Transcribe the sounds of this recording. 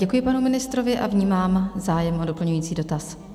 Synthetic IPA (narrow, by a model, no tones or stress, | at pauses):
ɟɛkujɪpanumɪnɪst̪ɾo̞vɪʔavɲiːmaːmzaːjɛmʔodo̞pl̩ɲujiːt͡siːdo̞t̪as